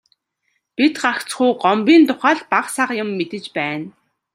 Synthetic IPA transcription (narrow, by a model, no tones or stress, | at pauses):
pit̪ɢakt͡sχujɢɔmpʲiːnt̪ʊχaːɮpaqsaqjʊ̆mːet̪ɘ̆t͡ɕpæːn